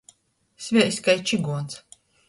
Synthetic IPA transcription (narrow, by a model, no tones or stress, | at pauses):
sʲvʲɛʔsʲkajt͡ʃiɡuɔns